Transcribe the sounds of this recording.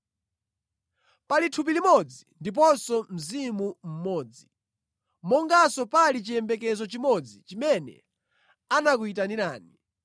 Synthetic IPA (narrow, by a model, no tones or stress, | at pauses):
palitʰup̬ilimɔd͡zindip̬ɔsɔm̩zimum̩mɔːd͡zi | mɔŋɡasɔpalit͡ʃijɛmbɛk̬ɛzɔt͡ʃimɔd͡zit͡ʃimɛnɛ̰ | anakuit̬aniɾaːni